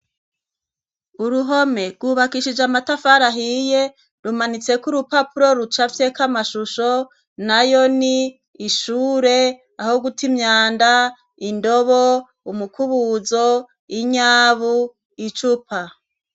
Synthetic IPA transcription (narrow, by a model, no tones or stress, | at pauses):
uɾuɦo̞me̞ɾɡuːβakiʃid͡ʒamatafaɾaɦije | ɾumanit͡se̞kuɾupapuɾo̞ɾut͡ʃafjekamaʃuʃo | najoniː | ʃuːɾe̞ | ahoɡutimɲaːnda | indoβo | umukʰuβuzo | iɲaːβu | it͡ʃupa